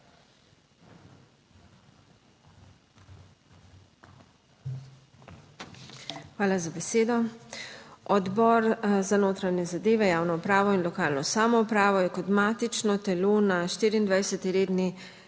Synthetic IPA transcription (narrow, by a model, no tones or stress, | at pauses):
xʋaːlazabɛseːd̪ɔ | ʔɔd̪bɔɾzanoːt̪ɾaɲɛzad̪eːʋɛjaːwnɔupɾaːʋɔinlɔkaːlnɔsaːmɔupɾaːʋɔjɛkɔd̪maːt̪it͡ʃnɔt̪ɛloːnaʃt̪iːɾiːnd̪ʋajsɛt̪iɾeːd̪ni